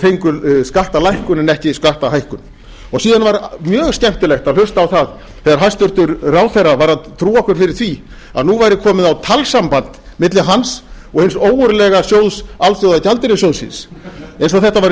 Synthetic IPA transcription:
t̪ʰejŋkʏskaht̪alajhkʏnɛnɛhcɪskaht̪aɦajhkʏn | ɔɣsiːðanvaɾmjœːɣscɛm̥t̪ɪlɛxt̪aðlʏst̪aːwθað | θɛaɾɦast̪ʏɾ̥t̪ʏɾraːwθejrːavaɾaðt̪ʰɾuːɔhkvɛɾ̥fɪɾɪɾ̥θvi | a̰ðnuvajɾɪkʰɔːmɪðawt̪ʰalsampant̪mɪt̪lɪɦans | ɔɣhɪnsoːwʏɾlɛɣasjoːwðsalθjowðacalt̪ɪɾɪsjowðsɪ̰nsejns̬ɔawθɛht̪avajɾ

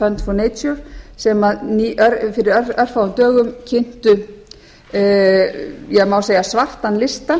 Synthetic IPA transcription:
fɛnt̪fɔnejsɔɾsɛmaðniœɾfɪɾɪɾœœr̥fawʏmt̪œːɣʏmcʰɪn̥t̪ʏ | jɛɣmawseːjasvar̥t̪anlɪst̪a

